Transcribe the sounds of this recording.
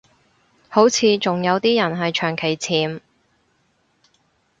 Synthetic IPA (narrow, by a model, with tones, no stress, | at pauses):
ho˨˥wt͡sʰiː˨˧t͡sʊ˨ŋjɐ˨˧wt̪iː˥jɐ˨˩nɦɐ˨jt͡ʃʰœː˨˩ŋkʰe˨˩jt͡sʰiː˨˥m